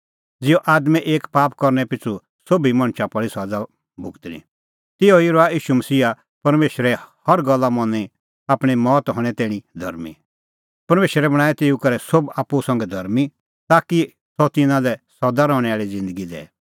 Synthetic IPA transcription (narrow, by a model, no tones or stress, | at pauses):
d͡zɪɔʔaːd̪mɛ̃ʔeːkpaːpkɔɾnɛpɪt͡sʰu | sobimɐ̃ɽ̃t͡ʃʰapɐɽisɔd̪a | bʱʊɡt̪nḭ̃ | t̪ɪɔiɾɔaiːʃumɐsiːa | pɐɾmeːʃɾɛhɐɾɡɐlːamɔ̃nːi | aːpɽ̃imɔːt̪ɦɔ̃ɽ̃ɛt̪ɛ̃ːɽ̃ĩd̪ʱɐ̰ɾmḭ | pɐɾmeːʃɾɛbɐɽ̃ãːɛt̪ɪukɐɾɛsobaːpːusɐ̃ŋɡɛd̪ʱɐɾmi | t̪aːki | sɔt̪ɪnãlɛsɐd̪aɾɔ̃ːɽ̃ɛaːɭid͡zɪ̃nd̪əɡid̪ɛ̰ː